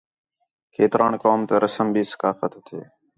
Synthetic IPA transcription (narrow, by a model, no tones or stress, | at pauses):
kʰeːt̪ɾʔaːɳkoːmt̪eɾəsəmbiːsə̥kaːfət̪t̪ʰːḛː